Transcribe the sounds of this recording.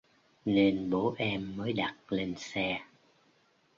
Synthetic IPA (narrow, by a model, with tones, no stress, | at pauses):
ne˧nɓo˨˦ʔɛ˧mːəː˨˦jɗa˨˩t̚le˧nsɛ˧